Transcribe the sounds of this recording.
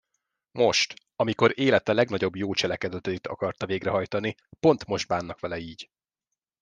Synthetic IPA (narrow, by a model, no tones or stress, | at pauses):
mo̞ʃt̪ | ɒmiko̞ɾeːlɛt̪ɛlɛɡnɒɟo̞bjoːt͡ʃɛlɛkɛd̪ɛt̪ɛit̪ʰɒ̰kɒrt̪ɒveːɡrɛɦɒjt̪ɒni | po̞nt̪mo̞ʒd̪̚baːnːɒkʋɛlɛiːɟ